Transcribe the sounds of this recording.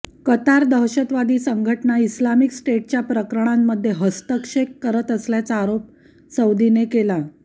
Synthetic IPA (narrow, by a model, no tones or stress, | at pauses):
kət̪aɾd̪əɦɕət̪ʋad̪iːsəŋɡʱəʈɳaislamiksʈeʈ̚t͡ɕjapɾəkɾəɳ̃amːəd̪ʱːjeɦəst̪əkʂekːəɾət̪əsljat͡saːɾop̚ | səwd̪inekela